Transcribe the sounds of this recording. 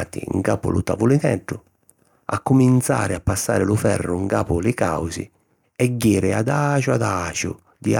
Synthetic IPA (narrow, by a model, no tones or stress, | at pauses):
t̪ḭŋkaːpʊ̰lut̪avulit̪ɛɖːʊ | a̰kːumint̪sa̰ːɾɪapːasːa̰ːɾɪlʊfɛ̰rːʊŋkaːpʊlɪka̰wsḭ | ɛɟːiːɾɪad̪aːt͡ʃuad̪aːt͡ʃʊ̰ | d̪ia